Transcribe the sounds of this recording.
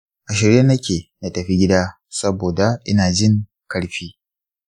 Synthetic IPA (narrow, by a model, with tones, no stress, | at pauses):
ʔa˨ʃɪ˨ɾe˦nɐ˦kʲeː˨na˦tɐ˨ɸi˦ɡʲɪ˦daː˦ | sɐ˦boː˨da˨ʔɪ˦naː˨d͡ʒɪ˦˨ŋ | kɐ˦ɽɸiː˦